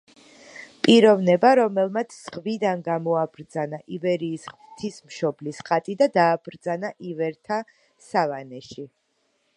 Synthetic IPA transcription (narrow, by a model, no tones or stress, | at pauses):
pʼiɾɔvnɛbaɾɔmɛlˠmat̪sʰz̥ʁvid̪anɡamɔabɾd̪zanaʔivɛɾiːsχ | t̪ʰismʃɔblisχat̪ʼid̪ad̪aːb̥ɾd̪zanaʔivɛɾt̪ʰa | savanɛʃi